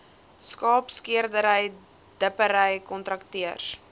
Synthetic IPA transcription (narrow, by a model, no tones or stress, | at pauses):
skɑːpskiərdəɾəj | d̥əpəɾəjkɔntɾɐktiərs